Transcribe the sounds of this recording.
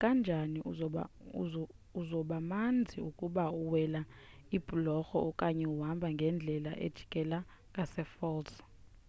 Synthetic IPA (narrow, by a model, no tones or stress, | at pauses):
kʼand͡ʒʱani | uzɔɓamand͡zʱiukʼuɓauwɛla | ib̥ʱʼulɔxɔɔkʼaɲɛuɦambʱaŋɡʱɛnd͡ɮʱɛla̰ʔḛd̥ʒ̥ʱi̥kʼɛla | kʼasɛfɔls